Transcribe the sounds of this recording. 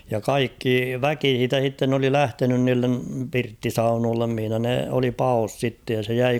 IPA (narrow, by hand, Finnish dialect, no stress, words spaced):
jɑ kɑikːi ʋæki h̞iːtæ h̞itːen oli læhtenyn niːlːem pirtːisɑunoːlːem mihĭnæ ne oli pɑos sitːe jɑ se jæi